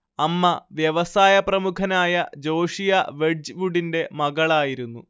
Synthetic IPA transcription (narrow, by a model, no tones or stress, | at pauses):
ɐmːɐʋjɐʋɐsaːjɐprɐmukʰɐnaːjɐd͡ʑo̞ːʂijɐʋeɖd͡ʑʋuɽinde̞mɐɣɐɭaːjiɾunːu